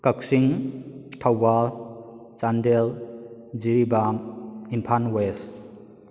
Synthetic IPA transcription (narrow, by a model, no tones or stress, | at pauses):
kak̚siŋtʰawbalt͡ʃandeld͡ʒiɾibamimpʰanwes